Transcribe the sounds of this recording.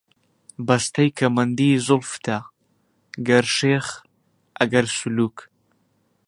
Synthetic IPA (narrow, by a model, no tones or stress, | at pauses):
bɐst̪ʰɐjkʰɐmɐnd̪izʊlft̪ʰa | ɡɐɾʃeːχ | ʔɐɡɐɾsuluːk